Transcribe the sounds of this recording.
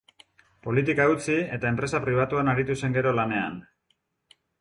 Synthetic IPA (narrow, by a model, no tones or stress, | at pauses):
po̞lit̪̬ikaut͡sie̞t̪ae̞mpɾe̞sapɾiβ̞at̪uanaɾit̪use̞ŋɡe̞ɾo̞lane̞a̰n